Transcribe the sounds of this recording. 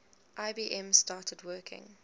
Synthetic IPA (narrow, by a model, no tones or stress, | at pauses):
ʔaɪbiːʔɛ̃mstɑːtʰədwɜkʰɪ̰̃ŋ